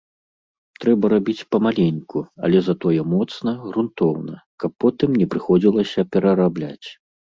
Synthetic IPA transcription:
t̪ɾɛbɐɾabʲit͡sʲpɐmalʲenʲkuɐ̰lʲɛzat̪ɔjɛmɔt̪snɐɣɾunt̪ɔwnɐkɐpːɔt̪ɨmnʲɛpɾɨxɔd͡zʲilˠɐsʲɐpʲɛɾɐɾablʲa̰t͡sʲ

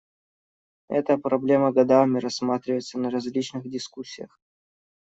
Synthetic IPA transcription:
ɛ̰t̪əpɾɐblʲe̞məɡɐd̪amʲɪɾɐsːmat̪ɾʲɪvəjɪt̪sənəɾɐzʲlʲit͡ɕnɨxdʲɪskusʲːɪjəx

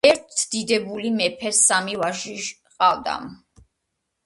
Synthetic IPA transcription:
ɛɾt̪ʰd̪̥id̪ɛbulimɛpʰɛsamivaʒiʒ | qʼald̪a̰m

